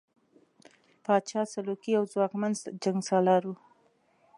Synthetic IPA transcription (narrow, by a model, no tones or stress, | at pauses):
pɑt͡ʃɑsalokiawzwɑkmanzd͡ʒaŋɡsɑlɑɾwu